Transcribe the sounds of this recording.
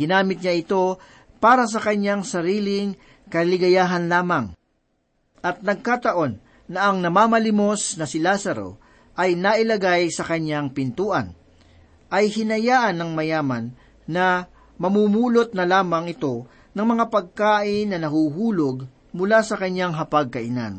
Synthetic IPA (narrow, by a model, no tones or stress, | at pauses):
ɡɪnaːmɪt̪̚ɲaʔɪt̪o̞ | paːɾɐs̬ɐkɐɲaŋsɐɾiːlɪŋ | kɐlɪɡɐjaːɦɐnlaːmɐŋ | ʔɐt̪̚nɐɡ̚kat̪ɐʔo̞nː | ɐʔɐŋnɐmaːmɐlɪmo̞snɐsɪlasɐɾo̞̰ | ʔɐjnɐʔɪlɐɡajsɐkɐɲaŋpɪnt̪uːʔɐ̰n | ʔɐjhɪnɐjaːʔɐnːɐŋmɐjaːmɐnː | ɐ | mɐmumuːlot̪̚nɐlaːmɐŋɪt̪o̞ | nɐŋmɐŋapɐɡ̚kaːʔɪnːɐnɐhuːɦuːloɡ | mʊlasɐkɐɲaŋɦɐpɐɡ̚kɐʔɪna̰n